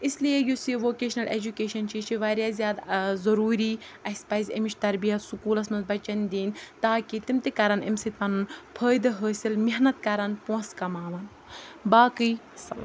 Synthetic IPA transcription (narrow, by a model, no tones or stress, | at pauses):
islijejusiʋoːkeːʃnɐlʔḛd͡ʒukeːʃɐnt͡ʃit͡ʃʰiʋaːɾjaːzijaːd̪zɐɾuːɾiːɐsʲpɐzʲɐmiʃt̪ɐɾbijɐt̪sukuːlɐsmɐnzbɐt͡ʃɐnd̪iːnʲt̪aːkit̪imt̪ikɐɾɐnɐmsit̪̚pɐnunpʰəːjd̪ɦəːsilmiɦnɐt̪̚kɐɾɐnpuɐ̃skɐmaːʋɐn | baːkɨj | sɐl